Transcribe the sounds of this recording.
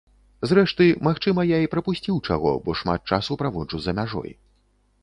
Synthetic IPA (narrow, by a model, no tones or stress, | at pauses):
zrɛʂt̪ɨmaxt͡ʂɨmɐjaipɾɐpusʲt͡sʲiwt͡ʂa̰ɣɔ̰bɔʂma̰t̪̚t͡ʂasupɾavɔt͡ʂuzɐmʲaʐɔ̰j